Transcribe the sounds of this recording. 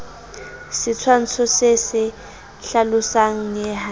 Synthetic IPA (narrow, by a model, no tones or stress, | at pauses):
sɪt͡sʰwan̩t͡sʰɔsɪsɪ | ɬalʊsaŋ̩ŋɛɦa